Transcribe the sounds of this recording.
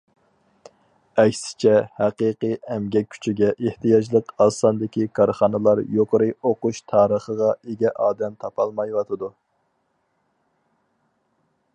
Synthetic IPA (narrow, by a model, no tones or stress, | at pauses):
ɛkʲsɪ̥t͡ʃʰɛhæqiqɨjɛmɡʲɛk̚ʲʰːy̥t͡ʃʰiɡʲɛʔeht̪ʰɨjɑd͡ʒlˠəqɑsɑnd̪ɪkʲikʰɑɾχɑnɨlˠɑɾjoqʰəɾɨoquʃt̪ʰɑːɾəχəʁɑeɡʲɛʔɑːd̪ɛmt̪ʰɑpʰɑlˠmɑjwɑt̪ʰɨd̪u